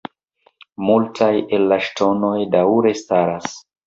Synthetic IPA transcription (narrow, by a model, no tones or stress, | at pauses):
multʰaje̞lːaʃtʰo̞no̞jdawɾe̞staɾas